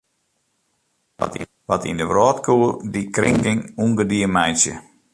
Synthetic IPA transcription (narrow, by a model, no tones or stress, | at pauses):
ʋatḭndəʋrɔːtkʰuːərdikrɪ̰ŋɡɪŋunɡədiəmɛjsjə̰